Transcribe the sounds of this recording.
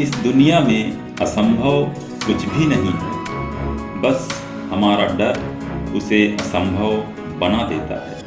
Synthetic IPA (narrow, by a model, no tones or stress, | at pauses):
ɪsd̪ʊnijamẽ | ɐsə̃mbʱəw | kʊt͡ʃʰbʱinɐɦĩɦɛ̰ː | bɐs | hɐmaːɾaɖɐɾ | ʊseʔɐsə̃mbʱəʋ | bɐnad̪eːt̪a̰ɦɛ̰ː